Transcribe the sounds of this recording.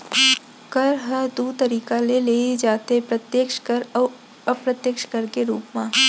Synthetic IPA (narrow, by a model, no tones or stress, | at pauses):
kɐɾɦəd̪uːt̪əɾiːkaleleːid͡ʒaːt̪epɾɐt̪jeːkʃkəɾ | əpɾɐt̪jəkʃkɐɾkeɾuːpmãː